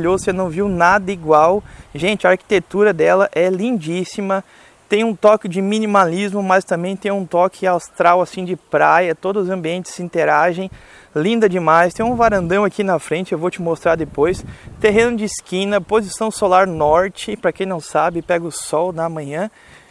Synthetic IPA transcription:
ʎozsenɐ̃w̃viwnad̪ɐiɡwawʒẽnt͡ʃɪɐaɾki̥t̪et̪uɾɐd̪ɛlɐʔɛlĩnd͡ʒisimɐ | t̪ẽj̃ũt̪ɔkɪd͡ʒɪmĩnimalizmʊmɐst̪ɐ̃mbẽj̃t̪ẽj̃ũt̪ɔkɪawst̪ɾawasĩd͡ʒɪpɾajɐt̪od̪ʊzʊzɐ̃mbiẽnt͡ʃ̪ɪ̥sĩnt̪eɾaʒẽj̃ | lĩnd̪ɐd͡ʒɪmajst̪ẽj̃ũvaɾɐ̃nd̪ɐ̃w̃akinɐfɾẽnt͡ʃɪewvot͡ʃɪmost̪ɾaɾd̪epojst̪eɦẽnʊd͡ʒɪiskĩnɐpozisɐ̃w̃solaɾnɔɾt͡ʃɪpɾɐkẽj̃nɐ̃w̃sabɪpɛɡʊsɔwnɐmɐ̃ɲɐ̃

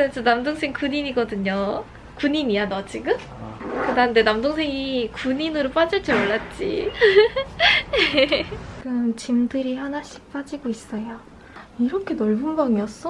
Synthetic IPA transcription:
at͡ɕ͈ʌnamdoŋsʰe̞ŋkuɲiniɡʌdɯɲo | kuɲiɲianʌt͡ɕʰiɡɯm | kɯdaɯnde̞namdoŋsʰe̞ŋikuɲinɯɾop͈ad͡ʑʌɭt͡ɕ͈ʌoɭːat̚t͡ɕ͈ḭ | je | kɯnt͡ɕimdɯɾihanaɕʰi̥k̚p͈ad͡ʑiɡois͈ʌjo | iɾʌkʰe̞nʌɭbunbaŋiʌs͈ʌ

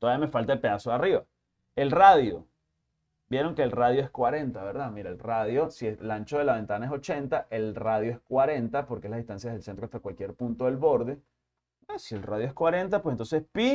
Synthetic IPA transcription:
t̪oaβijamefalt̪aepe̞ðasoariβa | e̞lraðjo̞̰ | bje̞ɾo̞ŋkeːlraðjoeskwaɾe̞nt̪aβe̞ɾðamiɾaelraðjo̞sieslant͡ʃo̞ðelaβe̞nt̪anaesot͡ʃe̞nt̪aʔelraðjoeskwaɾe̞nt̪apo̞ɾkezlaðiht̪ansjaðeðelsent̪ɾoaht̪akwalkje̞ɾpunt̪oðe̞lβo̞ɾðe̞ | esielraðjoe̞skwaɾe̞nt̪apwesent̪onsespi

